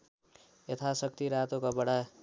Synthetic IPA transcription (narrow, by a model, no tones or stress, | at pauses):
et̪ʰasʌk̚t̪iɾat̪okabʌɽa